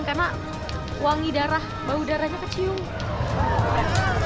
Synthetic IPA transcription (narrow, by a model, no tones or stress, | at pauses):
ŋkarnaʔ | waŋidaɾah | baudaɾahɲakət͡ʃiʊŋ